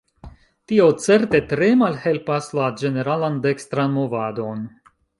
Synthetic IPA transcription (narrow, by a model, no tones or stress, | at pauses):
tio̞t͡se̞ɾte̞tɾe̞malhe̞lpaslad͡ʒe̞ne̞ɾalande̞kstɾanmo̞vado̞n